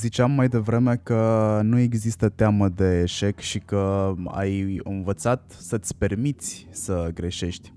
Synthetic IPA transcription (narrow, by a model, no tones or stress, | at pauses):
zit͡ʃeamːajd̪e̞vɾe̞me̞kənue̞ɡzist̪ət̪eaməd̪e̞ːʃe̞kʃikəa̰jɨnvət̪sat̪sət̪sʲpe̞rmitt̪sʲsəɡɾe̞ʃe̞ʃt̪ʲ